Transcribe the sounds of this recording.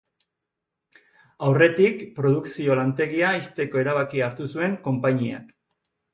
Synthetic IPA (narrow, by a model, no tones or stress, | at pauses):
awre̞t̪ikpɾo̞ðuksio̞lant̪e̞ɣiaist̪e̞ko̞eɾaβ̞akiaɾt̪usue̞ŋko̞mpaɲia̰k